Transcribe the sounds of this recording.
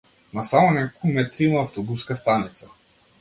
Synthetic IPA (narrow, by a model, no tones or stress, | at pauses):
nasamɔnɛkokumɛt̪ɾimaːft̪ɔbuskast̪anit̪sa